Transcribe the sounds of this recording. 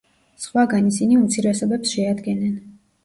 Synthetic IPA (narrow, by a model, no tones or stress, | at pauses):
sχwaɡanisiniut̪sʰiɾɛsɔbɛpsʃɛad̪ɡɛnɛn